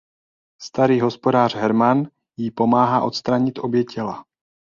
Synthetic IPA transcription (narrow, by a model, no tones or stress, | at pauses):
st̪aɾiːɦo̞spo̞daːr̝̥ɦɛɾman | jipo̞maːɦaːʔo̞t̪st̪ɾaɲɪt̪ʔo̞bjɛcʰɛla